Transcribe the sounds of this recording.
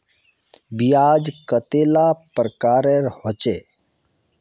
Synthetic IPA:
bijaːd͡ʒkət̪elapɾəkaːɾeɾhot͡ʃe

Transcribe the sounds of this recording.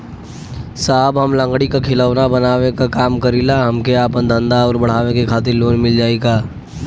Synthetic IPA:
saːbɦɐmlə̃ŋɡɽikakʰɪləʋɾabɐnaːʋekakaːmkəɾiːlaɦɐmkeaːpə̃nd̪ʱə̃nd̪aɔːɾbɐɽ̤aːʋekekʰaːt̪̬ɪɾloːnmɪld͡ʒaːeːɡaː

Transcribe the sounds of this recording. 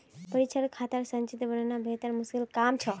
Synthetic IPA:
pəɾit͡ʃʰəɾkʰat̪əɾsənt͡ʃit̪bənənabʱet̪əɾmuskilkamt͡ʃʰə

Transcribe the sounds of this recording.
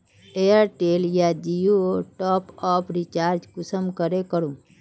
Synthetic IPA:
eəɾʈeːljad͡ʒijuoʈɔːpɔːpʰɾit͡ʃaːɾd͡ʒkʊsəmkəɾekəɾũ

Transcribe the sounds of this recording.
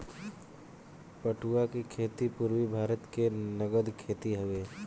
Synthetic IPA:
pəʈuakikʰeːt̪ipuɾwibʱaːɾət̪kenəɡəd̪kʰeːt̪iɦɐʋeː

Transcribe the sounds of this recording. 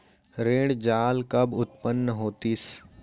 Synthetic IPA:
ɾeːɽd͡ʒaːlkɐbʊt̪̚pənːəɦoːt̪is

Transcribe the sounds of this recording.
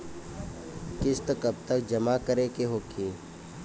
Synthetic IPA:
kɪst̪əkəb̚t̪əkd͡ʒəmakəɾekeɦoːkʰeː

